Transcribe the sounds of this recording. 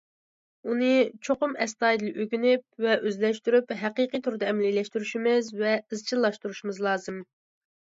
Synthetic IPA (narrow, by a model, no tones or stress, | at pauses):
unɨt͡ʃʰoqʊmɛst̪ɑːjd̪ɨlˠʔøkʲynyp̚vɛʔøzlɛʃt̪yɾypɦæqiqijt̪ʰuɾɨd̪ɑɛmɛlilɛʃt̪yɾyʃimɪzvɛɨzt͡ʃʰilːˠɑʃt̪uɾuʃimɨzlˠɑːzɨm